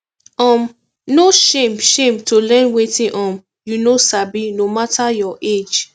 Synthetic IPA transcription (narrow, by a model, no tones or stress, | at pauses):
ɔ̃m | noʃẽmʃẽmtolɛ̃nwetĩʔɔ̃m | junosabinomatajɔʔed͡ʒ